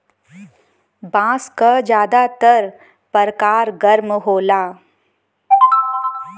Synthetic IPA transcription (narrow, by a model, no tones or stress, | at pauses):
bãːskad͡ʒjaːd̪at̪əɾ | pəɾkaːɾɡəɾmɦoːlaː